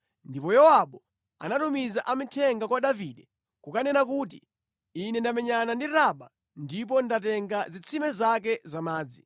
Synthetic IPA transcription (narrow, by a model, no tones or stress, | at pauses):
ndipɔjɔwaɓɔ | a̰natumizaʔamitʰɛŋɡakwaɗaviɗɛ | kukanɛnak̬uːt̬iː | nɛndamɛɲanandiɾaɓa | ndip̬ɔndat̬ɛŋɡazit͡sʰimɛzakɛzamaːd͡zi